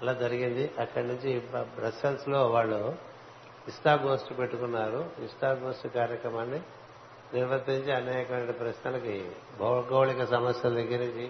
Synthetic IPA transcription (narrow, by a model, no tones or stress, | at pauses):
ɐlaːd͡ʒɐɾiɡind̪iʔɐkːɐɽɐnuɲt͡ʃibɾɐsɐlslo̞ːʋaːɭːu | isʈaːbɡoːsʈupe̞ʈːukunːaːɾuisʈaːbɡoːsʈukaːɾjɐkɾɐmaːnːi | niɾʋɐt̪ːiɲt͡ʃiɐnaːjɐkɐʋɐnʈipɾɐʃnɐlɐki | bʱɐɡɐwɭikɐsɐmɐsjɐld̪ɐɡːiɾɐd͡ʒi